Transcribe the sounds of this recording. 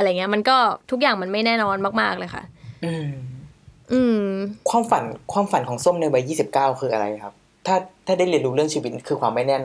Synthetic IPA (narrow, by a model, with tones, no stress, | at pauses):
a˧a˧˩˨ŋːi˦˥ɐma˧nkɔː˥˩t̪ʰu˦˥k̬̚jaː˨˩ŋma˧nma˥˩jnɛː˥˩nɔː˧nmaː˥˩k̚maː˥˩k̚lɤː˧jxʰa̰˥˩ʔʔɯː˧m | ʔɯː˧mkʰwaː˧mfa˨˩˦nkʰwaː˧mfa˨˩˦nkʰɔː˩˦ŋso˥˩˨mna˧jwa˧jiː˥˩si˨˩p̚kaː˥˩wkʰɯː˧ʔa˧ɾa̰˧jkʰa˦˥p̚ | t̪ʰaː˥˩t̪ʰaː˥˩da˥˩jli˧ənɾuː˧˦ɾɯ˥˩əŋsʰiː˧˩wi˦t̪̚kʰɯː˧kʰwaː˧mːa˥˩jnɛː˥˩n